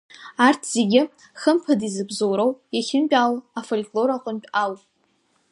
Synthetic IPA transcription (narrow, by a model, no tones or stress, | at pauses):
artʰz̥e̞ɡʲɪ | χəmpʰadizɨbzowɾowjaχʲɪmpʲʷᶣʼalafolʲkʼlo̞ɾaqʼənpʼawpʼ